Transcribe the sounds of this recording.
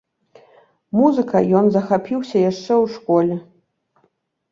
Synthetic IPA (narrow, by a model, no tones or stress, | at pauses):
muzɨkɐjɔnzɐxapʲiwsʲɐjaʂt͡ʂɛwʂkɔlʲɛ